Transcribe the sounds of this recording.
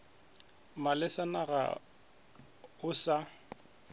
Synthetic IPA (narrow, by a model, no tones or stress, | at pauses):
malɪsanaɣa̰ | ʊsa